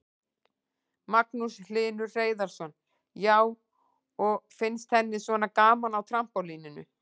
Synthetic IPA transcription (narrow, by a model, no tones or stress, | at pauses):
maknusl̥ɪːnʏreːjðaɾ̥sɔn | jaːw | ɔɣfɪnst̪θɛnːɪsvɔnakaːmanawt̪ʰɾam̥pɔliːnɪnʏ̰